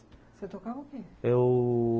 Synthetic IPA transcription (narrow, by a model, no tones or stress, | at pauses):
set̪okaokeew